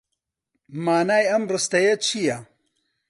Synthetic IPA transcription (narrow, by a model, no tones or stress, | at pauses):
maːnaːjɐmrɨst̪ɐjɐt͡ʃʰijɐ